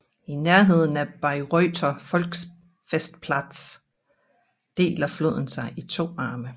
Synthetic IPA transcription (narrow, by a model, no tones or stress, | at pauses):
inæɐɦe̝ð̞̰ˠn̩æb̥ɑ̈ɪʁœːt͡sʰɐfɒ̽lɡ̥s | fesd̥pʰlɑd̥s | d̥e̝̰ːlɐflo̰ð̰ˠn̩sɑ̈ɪʔit͡sʰo̝̰ːɑ̈ːmə